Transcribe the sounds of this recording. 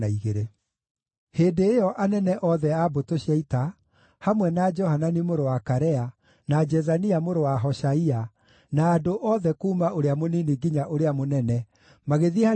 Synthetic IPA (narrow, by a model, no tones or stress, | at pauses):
aiɣeɾe | heːdeːjɔʔanɛnɛʔɔðɛabotoɕiaita | hamwɛnad͡ʒɔhananimoɾowakaɾɛa | nad͡ʒɛzaniamoɾowaɦɔʃaia | naːdoʔɔðɛkuːmaoɾeamoniniɡiɲaʔoɾeamonɛnɛ | maɣeðieha